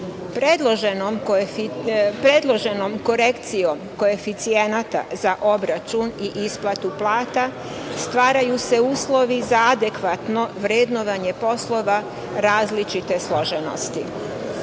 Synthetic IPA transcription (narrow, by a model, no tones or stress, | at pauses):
pɾed̪lˠoʒnom | pɾed̪lˠo̞ʒe̞nomko̞ɾekt̪sijo̞mko̞e̞fit̪sienat̪a̰zaʔo̞bɾat͡ʃuniʔisplˠat̪uplˠaːt̪a | st̪ʋaːɾajuse̞uːslo̞ʋizaad̪e̞kʋat̪no̞ʋɾeːd̪noʋaɲe̞po̞slˠo̞ʋa | ɾaːzlit͡ʃit̪e̞slˠo̞ʒeno̰st̪i